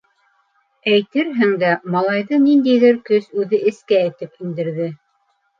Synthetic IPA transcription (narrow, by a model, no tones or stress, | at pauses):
æjt̪ɘɾɦɘŋd̪æmɑlˠɑjðɤnind̪æjðɘɾkɵsʉðɘʔɘ̆skæːjt̪ɘpind̪ɘ̆ɾðɘ